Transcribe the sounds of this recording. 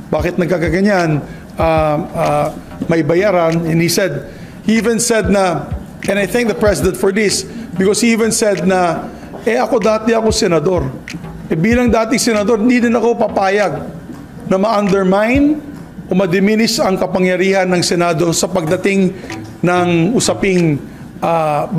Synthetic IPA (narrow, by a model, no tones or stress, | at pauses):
baːkɪt̪̚nɐɡ̚kaɡaɡɐɲan | ʔaa | mɐɪbɐjaːɾanɛ̃nhisɛd̪̚ | hiʔivɛ̃nsɛd̪̚nɐ | ʔɛ̃nɐjθɛ̃ŋk̚d̪ɐpɹɛsɪd̪ɛ̃nt̪fɔɹd̪ɪsbɪkoshiʔivɛ̃nsɛd̪̚nɐ | ʔɛʔɐko̞d̪aːt̪ɛɐko̞sɛnɐd̪o̞ɾ | ʔɛbiːlɐŋd̪aːt̪ɪŋsɛnɐd̪o̞ɾnd̪id̪ɪnɐko̞pɐpaːjɐɡ̚ | nɐmɐʔɐ̃nd̪ɛɹmãjn | ʔo̞mɐd̪ɛminɪsɐŋkɐpɐŋjɐɾiːhɐnːɐŋsɛnaːd̪o̞sɐpɐɡ̚d̪ɐt̪ɪŋnɐŋʊsɐpɪŋ | ʔa